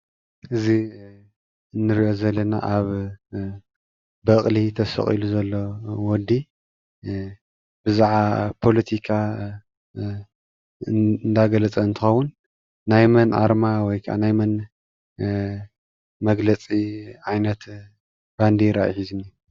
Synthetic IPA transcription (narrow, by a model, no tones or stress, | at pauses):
ʔɨzi | ɨnːɨɾiʔo̞zɐlːɐna̰ʔaβ | bɐχʼlit̪ʰɐsɐ̰χʼḭluzɐlːowɔd̪i | bɨzaʕapʰolɐt̪ʰikʰa | nd̪aɡɐlɐt͡sʼɐɨnt̪ʰɨxɐwːunː | ajmɐnʔa̰ɾmawɔjkʰaʔa̰najmɐn | mɐɡlɐt͡sʼiʕajnɐt̪ | b̥and̪iɾa̰ʔjħizɨnːi